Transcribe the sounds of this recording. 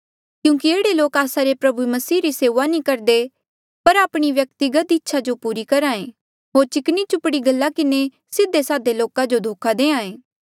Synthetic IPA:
kjũːkieːɽeloːkaːsaɾepɾɐbumɐsiːɾiseːʋanĩkɐɾd̪e | pɐɾaːpɽ̃iʋjɐk̚t̪ɪɡət̪ɪtːʃʰad͡ʒopuːɾikɐɾaːẽː | ɦoːɾt͡ʃɪknit͡ʃʊpɽiɡɐlːakɪne | sɪd̪ːesaːd̪eloːkad͡ʒod̪ʱoːkʰad̪ẽːãːẽː

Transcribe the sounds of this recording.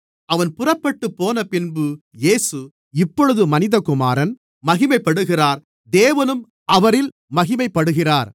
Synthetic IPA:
ɐʋɐnpʊrɐpːɐʈːɯpːoːnɐpɪnbɯ | jeːsɯ | ɪpːɔɻɯðɯmɐnɪðɐkʊmaːɾɐn | mɐɣɪmɐɪpːɐɽɯɣɪraːɾ | d̪eːʋɐnɯm | ʔɐʋɐɾɪl | mɐɣɪmɐɪpːɐɽɯɣɪraːɾ

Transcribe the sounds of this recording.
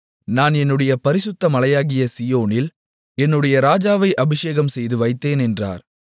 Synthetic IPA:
naːnɛnːɯɽɐjɐpɐɾɪsʊt̪ːɐmɐlɐjaːɣɪjɐsɪjoːnɪl | ɛnːɯɽɐjɐɾaːd͡ʒaːʋɐɪʔɐbɪʂeːɣɐmsɛjðɯʋɐɪt̪ːeːnɛndra̰ːɾ

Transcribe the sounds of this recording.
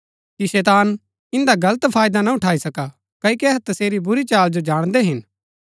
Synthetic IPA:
kisɛːt̪aːn | ɪ̃nd̪aɡɐlət̪pʰaːjd̪anaʊʈʰaːisɐka | kɐikɛɦt̪ɐseːɾibʊɾit͡ʃaːld͡ʒod͡ʒaːɽ̃d̪eɦɪn

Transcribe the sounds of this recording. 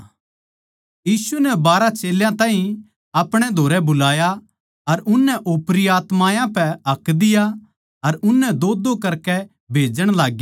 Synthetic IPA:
jiːsunɛbaːɾat͡ʃeːljãt̪ãːɦĩ | ɐpɽ̃ɛd̪ʱoːɾɛbʊlaːja | ɐɾʊnːɛʔoːpɾijaːt̪maːjãpɛɦɐkːd̪ɪja | ɐɾʊnːɛd̪oːd̪okɐɾkɛ | bʱeːd͡ʒəɽ̃laːɡja

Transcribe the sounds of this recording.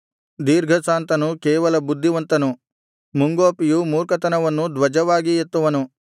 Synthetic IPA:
d̪iːɾɡʱɐsaːnt̪ɐnukeːʋɐlɐbud̪ʱːiʋɐnt̪ɐnu | muŋɡoːpijumuːɾkɐt̪ɐnɐʋɐnːud̪ʋɐd͡ʒɐʋaːɡijet̪ːuʋɐnu

